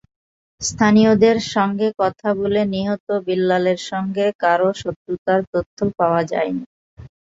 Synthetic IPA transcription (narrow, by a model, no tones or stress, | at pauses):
st̪ʰaniod̪eɾʃɔŋɡekɔt̪ʰaboleniɦɔt̪obilːaleɾʃɔŋɡekaɾoʃot̪ːɾut̪aɾt̪ot̪ʰːopaoad͡ʑa̰eni